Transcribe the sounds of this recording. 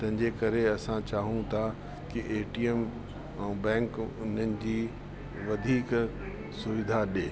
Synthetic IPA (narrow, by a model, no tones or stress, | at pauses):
t̪ɐ̃ɦɪ̃ɲd͡ʑekɐɾeɐsãt͡ɕaːɦũt̪ʰa | kiʔeːʈiːem | ɛ̃bɛ̃ːŋkʊn̤ənɪ̆d͡ʑiː | ʋɐd̪ʱiːk | sʊʋɪd̪ʱaɗeː